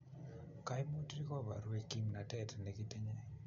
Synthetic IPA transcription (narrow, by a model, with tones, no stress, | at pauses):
ka˦jmu˦tɾi˦kɔ˦ba̰˨ɾe˨ki˦mna˨tɛ˦˨tne˨ki˦te˦ɲɛ˦